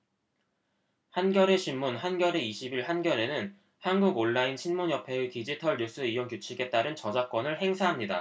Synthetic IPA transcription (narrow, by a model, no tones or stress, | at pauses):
hanɡjʌɾe̞ɕʰinːunɦanɡjʌɾe̞iɕʰibiɭhanɡjʌɾe̞nɯn | hanɡuɡoɭːainɕʰinmuɲjʌpʰe̞utid͡ʑitʰʌɭɲus͈ɯijoŋkjot͡ɕʰiɡe̞t͈aɾɯnt͡ɕʌd͡ʑak͈wʌnɯɭhe̞ŋsʰaɦamɲida̰